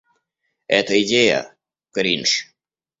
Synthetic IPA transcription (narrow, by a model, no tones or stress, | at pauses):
ɛt̪əɪdʲejə̰ | kɐɾʲinʂ